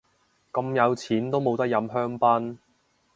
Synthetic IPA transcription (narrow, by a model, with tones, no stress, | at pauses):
kɐ˧mjɐ˨˧wt͡sʰiː˨˥nt̪o˥wmo˨˧wt̪ɐ˥k̚jɐ˨˧mɦœː˥ŋpɐ˥n